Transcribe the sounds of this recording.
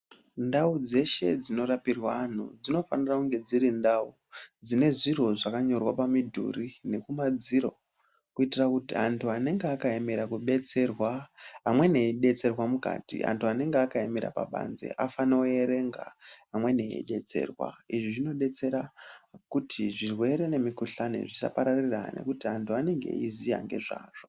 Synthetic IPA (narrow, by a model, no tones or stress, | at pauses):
ndaud͡ze̞ʃe̞̰d͡zino̞ɾapirwaːn̤ṵd͡zino̞fanirakuŋɡe̞d͡ziɾindau | d͡zine̞ʐiro̞ʐakaɲo̞rwapamidʱṵrine̞kumad͡ziɾo̞̰ | kuitirakutiantʰuane̞ŋɡeakaemeɾakuɓe̞t͡se̞rwaamwe̞neɗe̞t͡se̞rwamuka̰tḭʔa̰ntuane̞ŋɡeakaemeɾa̰pa̰ɓa̰nze̞̰ʔafanooeɾe̞ŋɡa̰amwe̞neḛɗe̞t͡se̞̰ːrwa̰iʐiʐino̞ɗe̞t͡se̞ɾakutʰiʐirwe̞ɾe̞ne̞mikuɬanḛʐisa̰paɾarira̰ne̞̰kutiantʰuane̞ŋɡe̞̰izija̰ŋɡe̞ʐa̰ːʐ̥o